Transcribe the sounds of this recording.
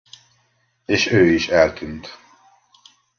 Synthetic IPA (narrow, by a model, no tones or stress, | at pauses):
eːʃøːiʃɛlt̪ynt̪